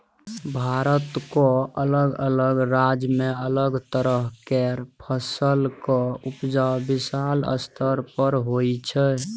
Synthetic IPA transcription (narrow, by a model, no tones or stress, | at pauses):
bʱaɾət̪koələɡələɡɾad͡ʒmeələɡt̪əɾəɦkeɾpʰəsəlkɔupd͡ʒabisalə̰st̪ʰəɾpəɾɦojt͡ʃʰə